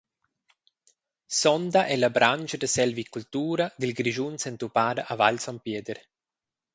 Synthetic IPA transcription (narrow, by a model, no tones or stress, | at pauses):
sɔnd̪aʔɛlabɾanʲd͡ʒad̪əsɛlvikːult̪uːɾad̪ilɡɾiʒunsɛnt̪upaːd̪aʔavalsɔmpjɛːd̪əɾ